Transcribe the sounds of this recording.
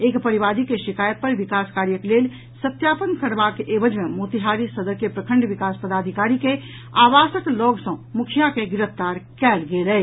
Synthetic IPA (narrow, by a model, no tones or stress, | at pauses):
ekpəɾiʋad̪ikeʃikajət̪̚pəɾʋikaskaːɾjəklel | sət̪japənkəɾbakʔebəd͡ʒmemot̪iɦaɾisəd̪əɾkepɾəkʰə̃ɳɖʋikaspəd̪ad̪ʱikaɾike | aʋasəkloɡsə̃mukʰijakeɡɪɾəft̪aɾkɛlɡelɛ